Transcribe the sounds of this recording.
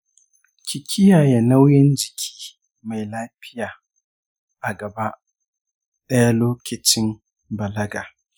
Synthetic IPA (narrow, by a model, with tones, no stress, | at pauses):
kʲʰɪ˨kʲʰɪ˦jaː˨ja˨na˦wjɪ˦nd͡ʒɪ˨kʲʰi̥ː˦ | ma˨jlaː˦ɸɪ˦jaː˨ | ʔa˨ɡɐ˨ba˦ʔ | ɗɐ˦ja˦loː˦kʲɪ˨t͡ʃɪ˦m | bɐ˨lɐ˦ɡaː˨